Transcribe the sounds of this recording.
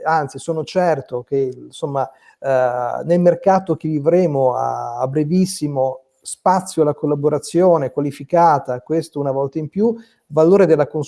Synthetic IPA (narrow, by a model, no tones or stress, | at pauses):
ant̪sisoːnot͡ʃɛrt̪ok̟esomːa | nelmerkaːt̪ok̟evivɾeːmoa̰ːbːɾevisːimo | spat̪sːjoalːakolːaboɾat̪sːjoːnekwalifikaːt̪akwest̪ounavɔlt̪aimpju | valoːɾed̪elːakon